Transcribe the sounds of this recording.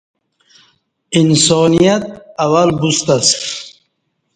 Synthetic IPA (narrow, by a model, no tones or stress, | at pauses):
insɔːnijat̪̚awalbust̪ast̪